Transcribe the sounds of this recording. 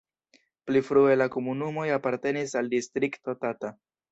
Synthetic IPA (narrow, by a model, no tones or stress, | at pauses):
plifɾue̞lako̞munumo̞japaɾte̞nisaldistɾikto̞tata